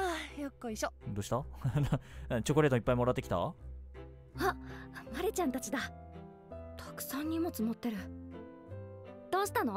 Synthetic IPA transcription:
ajokːoiɕod̪oːɕi̥t̪anãt͡ɕo̞koɾe̞ːt̪oipːaimoɾat̪ːekʲi̥t̪a̰ | amaɾet͡ɕãnt̪at͡ɕid̪a | t̪ʰḁkɯ̟̥sãɲ̟ːimo̞t͡sɨmot̪ːe̞ɾɯ̟ | d̪̥o̞ːɕi̥t̪ano̞

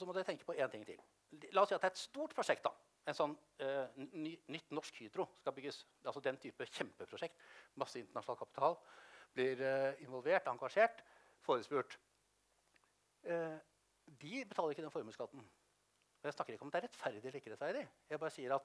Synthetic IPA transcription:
ɔsɔmɔd̪æt̪ʰɛŋkəpɔeːnt̪ʰɪŋt̪ʰɪ̰l | lɑːɔsiːɑt̪d̪æɾɛt̪st̪uːʈpʰɾʊʂɛk̚t̪̚d̪ɑ̰ | ɛnsɔnː | yːnʏt̪ːnɔʂkhyːd̪ɾʊskɑbʏɡːəs | ɑlsɔd̪ɛnt̪ʰyːpəçɛmpəpʰɾʊʂɛkt̪mɑsːəɪnt̪əɳɑʂʊnɑlkʰɑpɪt̪ʰɑːlblɪɾɪnʋɔlʋeːʈɑŋɡɑʂeːʈ | foːɾəspʉːʈ | d̪ɪbət̪ʰɑləɾɪkːəd̪ɛnfɔɾmʉːskɑd̪n̩ | ɔjæɪsnɑkːəɾɪkːɔmd̪ɛæɾɛt̪fæɾd̪ɪliːkəɾɛt̪fæɾd̪ɪjæɪbɑːɾəsiːəɾɑt̪

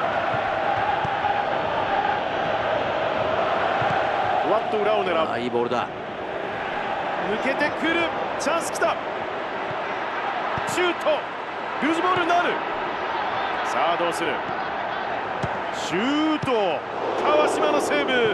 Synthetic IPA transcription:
oβat̪ːoɯ̟ɾaoneɾaa̰iboːɾɯ̟d̪a̰ | mɯ̟ke̞t̪e̞kɯɾɯ̟t͡ɕãɰ̃sɨ̥kʲi̥t̪a | t͡ɕɨːt̪ʰo | ɾɯːziboːɾɯ̟naɾɯ̟ | saːd̪õsɨɾɯ̰ | ɕɨːt̪o | k̪ʰaβaɕimanoseːbɯ

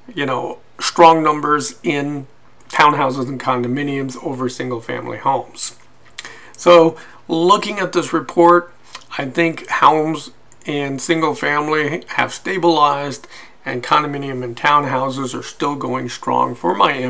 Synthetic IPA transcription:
jɨnoʊ | stɹ̥ɔ̃ŋnʌ̃mbə˞zɪ̃n | tʰãʊ̃nɦaʊs̬əz̃n̩kʰɑ̃ndɨmɪniɨ̃mzoʊvə˞sɪ̃ŋɡl̩ˠfæ̰̃mlḭhõʊ̃mz̥ | soʊ | lʊkɪ̃ŋɨt̪̚ðɪsɹɨpʰɔɹɾ | aɪθɪ̃ŋkhɛ̃ʊmz | ɪ̃nsɪ̃ŋɡl̩ˠfæ̃mlihɨ̰v̥steɪbəlaɪzd | ɨ̃nkʰɑ̃ndɨmɪ̃niɨ̃mɨ̃ntʰãʊ̃nɦaʊsɨzə̰˞stɪlˠɡoʊɪ̃ŋstɹ̥ɔ̰̃ŋfə˞maɪ̃

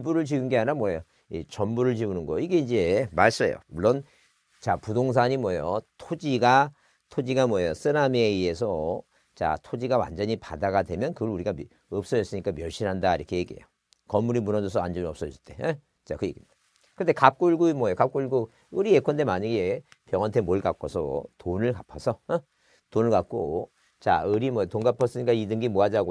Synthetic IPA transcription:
buɾɯɭt͡ɕiɡunɡeaɲɾamwʌjo | it͡ɕʌmbuɾɯɭt͡ɕiunɯnɡʌiɡe̞ind͡ʑe̞maɭs͈ʌjo̰muɭːʌn | t͡ɕapudoŋs̬ʰaɲimwʌjo̰tʰod͡ʑiɡa | tʰod͡ʑiɡamwʌjos͈ʰɯɾame̞iesʰʌ | t͡ɕa̰tʰod͡ʑiɡawa̰nd͡ʑʌɲipadaɡadwe̞mjʌnkɯɡʌɾuɾiɡa | ʌp̚s͈ʌjʌs͈ɯɲik͈amjʌɭɕ͈ʰinɦandaiɾʌkʰe̞je̞ɡiḛjo | kʌmːuɾimunʌdʌsʰʌand͡ʑʌmiʌp̚s͈ʌʌs͈ɯ̥t͈e̞ | t͡ɕakɯjeɡimid̥a | kɯnde̞kap̚k͈uɭɡuimwʌejokap̚k͈uɭɡu | ɯɾie̞kʰʌnde̞maɲiɡe̞pjʌŋantʰe̞moɭkak͈ʰosʰʌ̰tonɯɭkapʰʌsʰʌ | tonɯɭkak͈o | t͡ɕa̰ɯɾimʌjotonɡapʰas͈ɯɲik͈aidɯŋɡimoɦad͡ʑaɡo

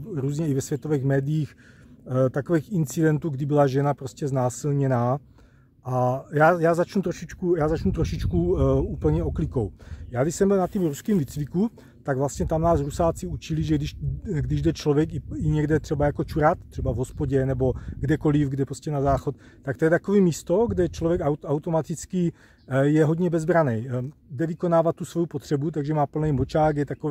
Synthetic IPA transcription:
ɾuːzɲɛivɛsvjɛt̪ovɛːɣmɛːdijiːx | t̪akovɛːxint͡sidɛnt̪uɡdibilaʒɛnapɾoscɛznaːsilɲɛnaː | ʔajaːjaːzat͡ʃnut̪ɾoʃit͡ʃkujaːzat͡ʃnut̪ɾoʃit͡ʃkuuːpl̩ɲɛoklikowjaːɡdiʃsɛmbilnat̪iːmɾuskiːmvit͡sviku | t̪aɡvlast̪ɲɛt̪amnaːsɾusaːt͡siut͡ʃiliʒɛɡdiʃɡdiʒdɛt͡ʃlovjɛkiiɲɛɡdɛt̪r̥ɛbajakot͡ʃuɾat̪t̪r̝̥ɛbavɦospoɟɛnɛbo̞ɡdɛko̞lifɡdɛpɾoscɛnazaːxot̪t̪ak̚t̪o̞jɛt̪akoviːmiːst̪oɡdɛt͡ʃlovjɛkawawt̪omat̪it͡ski | jɛɦod̪ɲɛbɛzbɾanɛjɡdɛvikonaːvat̪̚ːusvo̞jupot̪r̝̥ɛbut̪̬aɡʒɛmaːpl̩nɛjmot͡ʃaːɡɡjɛt̪akov

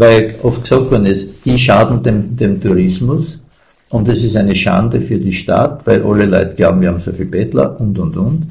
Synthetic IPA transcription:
væɪʔɔft̚ksɑk̚tvɔɐdn̩ɪsd̥iʃaːd̪n̩d̥̪emd̪emt̪ʰuʁɪsmʊs | ʔʊndɛsɪstæɪnəʃa̰ndəfyːɐdiʃta̰tvæɪlʔa̰ləlɔ̰ʏtəɡ̥laʊbm̩viɐhamso̰ɐfiːlb̥ɛtlɐ̰ʔʊntʊntʊnt

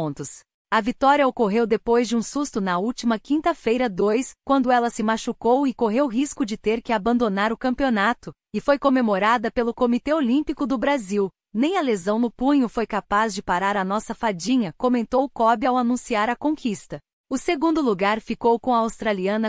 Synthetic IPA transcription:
t̪ʊs | ɐvit̪ɔɾiɐokoɦewd̪epojzd͡ʒɪũsust̪ʊnɐuwt͡ʃimɐkĩnt̪ɐfejɾɐd̪ojskwɐ̃nd̪ʊɛlɐsɪmaʃukowɪkoɦewɦiskʊd͡ʒɪt̪eɾkɪabɐ̃nd̪onaɾʊkɐ̃mpionat̪ʊ | ɪfojkomemoɾad̪ɐpelʊkomit̪eolĩmpikʊd̪ʊbɾaziw | nẽj̃ɐlezɐ̃w̃nʊpũɲʊfojkapazd͡ʒɪpaɾaɾɐnɔsɐfad͡ʒĩɲɐkomẽnt̪owkɔbiawanũsiaɾɐkõkist̪ɐ | ʊseɡũnd̪ʊluɡaɾfikowkõɐawst̪ɾaliɐ̃nɐ

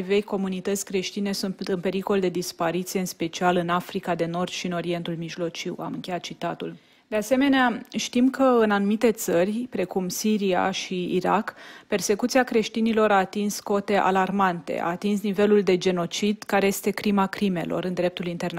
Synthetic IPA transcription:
ve̞jko̞munit̪ət̪sʲkɾe̞ʃt̪ine̞sunt̪ɨnpe̞ɾiko̞ld̪e̞d̪ispaɾit̪sijeɨnspe̞t͡ʃialɨnafɾikad̪e̞no̞rd̪̥ʃiɨno̞ɾie̞nt̪ulmiʒlo̞t͡ʃiwa̰mɨŋkʲe̞jat̪̚t͡ʃit̪at̪ul | d̪ease̞me̞neaʃt̪imkəɨnanumit̪e̞t̪sərʲpɾe̞kumsiɾia̰ʃiḭɾa̰kpe̞rse̞kut̪siakɾe̞ʃt̪inilo̞ɾaːt̪insko̞t̪e̞ʔa̰larmant̪ḛa̰ːt̪insnive̞luld̪e̞d͡ʒe̞no̞t͡ʃid̪kaɾe̞je̞st̪e̞kɾimakɾime̞lʔo̞̰ɾɨnd̪ɾe̞p̚t̪ulint̪e̞rn

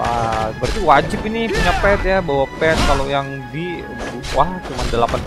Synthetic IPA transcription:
aəbərt̪iwad͡ʒɪpinipuɲapɛt̪̚jabawapɛt̪̚kalojaŋ | di | duwaŋt͡ʃumandəlapan

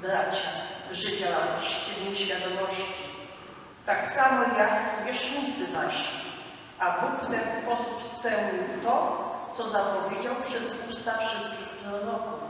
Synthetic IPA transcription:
bɾat͡ɕaʐɘt͡ɕaɕt͡ɕɛvʲɛɕfʲjad̪ɔmɔɕt͡ɕi̥ | t̪aksamɔjaksvʲɛʂut̪sɘnaʂi | abukft̪ɛnspɔsupspɛwɲiwt̪ɔt̪sɔzapɔvʲjed͡ʑawpʂɛzust̪afʂɘst̪̚kʲixplɔnɔku

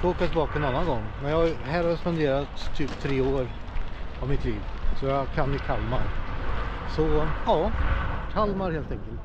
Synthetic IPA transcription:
oːkat̪ʰɪbɑːkɔɛnanːanɡɔŋːmɛnjɑɦɛːɾaspɛnd̪eːɾat̪ʰːyːpt̪ʰɾeːoːɾ | avmɪt̪ʰliːvsɔjɑkʰanːɪkʰalmaɾ | sɔjɑːkʰalmaɾheːlt̪ɛŋkəlt̪

